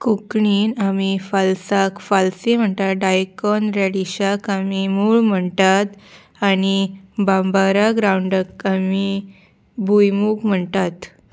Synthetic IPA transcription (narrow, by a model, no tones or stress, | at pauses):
kukɳiːnamifalsakfalsim̤əɳt̪aɖajkɔnɾaɽiɕakamimuːɭm̤əɳt̪at̪ | añibambaɾaɡɾauɳɖək̚ami | bʱujmuːkm̤əɳt̪at̪